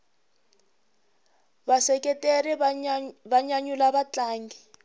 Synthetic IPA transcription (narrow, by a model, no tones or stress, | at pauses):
βasɛkɛteri | βaɲaɲulaβat͡ɬaːŋɡi